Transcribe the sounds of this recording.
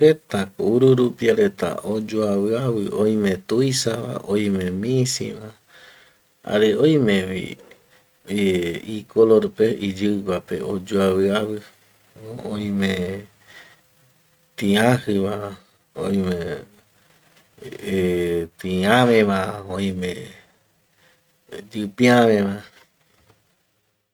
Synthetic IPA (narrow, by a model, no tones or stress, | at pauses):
et̪akouɾuɾupiaɾe̞t̪a̰ʔod͡ʒoaβɨaβɨoj̃mẽt̪ujsaβa̰ʔoj̃mẽmĩsḭʋa | a̰ɾeoj̃mẽʋḭ | ikʰoloɾpeid͡ʒɨɡʷapḛod͡ʒoaβɨaβɨ | õj̃mẽ | t̪ĩãhɨβa | ojmẽ | t̪ĩãβẽβãõj̃mẽ | d͡ʒɨpĩaβẽβã